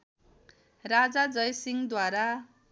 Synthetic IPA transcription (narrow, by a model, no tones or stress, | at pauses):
rad͡zad͡zʌjsiŋd̪waɾa